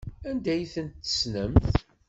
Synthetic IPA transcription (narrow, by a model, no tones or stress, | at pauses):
ænd̪æjθənt̪ːə̥snəmθ